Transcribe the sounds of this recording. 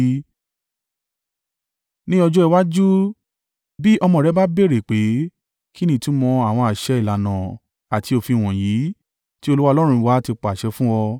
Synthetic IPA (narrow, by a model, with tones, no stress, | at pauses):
nĩ˦ɔ˧d͡ʒɔ˦ɛ˧wa˦d͡ʒu˦ | bi˦ʔɔ˧mɔ̃˧˨ɾɛ˨˦ba˦be˦˨ɾe˨k͡pe˨˦ | ki˦nĩ˦˨tũ˨˦mɔ̃˧a˨w̃ɔ̃˧a˨ʃɛ˨˧i˦˨la˨nã˨ | a˨ti˧o˧fi˧˨w̃ɔ̃˨ji˨˦ | ti˦o˧lu˦wa˦˧lɔ˦ɾ̃ũ˧wa˦ti˧k͡pa˨ʃɛ˧˦fũ˦wɔ˧